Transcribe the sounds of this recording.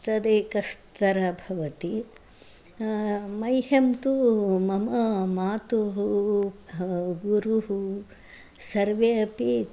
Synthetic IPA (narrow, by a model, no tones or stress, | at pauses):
t̪ɐd̪ekɐstt̪ɐɾɐbʱɐʋɐt̪i | mɐjɦemt̪umɐmɐmaːt̪oɦu | ɡuɾuɦu | sɐɾʋeɐpi